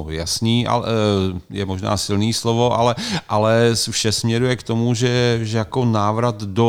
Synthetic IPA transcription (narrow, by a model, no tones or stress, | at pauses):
oja̰sniːʔa̰ɛjɛmoʒna̰ːsɪlniːslovo̞ʔalɛʔalɛfʃɛsmɲɛɾujɛkt̪o̞muʒɛʒɛjakonaːvɾat̪do